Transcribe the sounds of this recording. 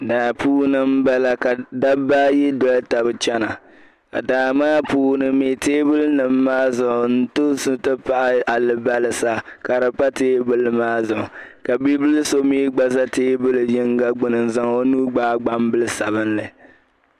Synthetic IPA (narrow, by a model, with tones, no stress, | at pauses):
daː˨puː˦nɨ˦m̩˦ba˦la˨ka˨da˦ba˦ji˦dɔ˦lta˨bɨ˨t͡ʃɛ˦na˨ | ka̰˨daː˨maː˦puː˦nɨ˨me˨teː˦bɨ˦lnɨ˨mːaː˦zʊ˨ʊ˨n̩˦tʊ˦su˦tɨ˦pa˨ʔa˦a˨lɨ˨ba˦lɨ˨sa˦ka˨ɾa˨pa˦teː˦bɨ˦lɨ˦maː˦zʊ˨ʊ˨ka˨bi˦bɨ˦lɨ˦so˦miː˦ɡ͡ba˦sa˦teː˦bɨ˦lɨ˨jɪ˦ŋɡa˦ɡ͡bʊ˨nɨ˨n˨za˨ŋo˦nuː˦ɡ͡baː˦ɡ͡ba˦mbɨ˦lɨ˦sa̰˨βɨ˦nlɨ˨